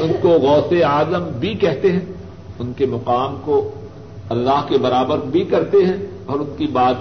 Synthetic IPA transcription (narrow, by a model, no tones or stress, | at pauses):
ʊnkoɣɔːseaːzəmbʱikɛɦt̪eɦɛ̃ | ʊnkemɐqaːmko | ɐlːaːɦkebɐɾaːbəɾbʱikɐɾt̪eɦɛ̃ | ɔːɾʊnkibaːt̪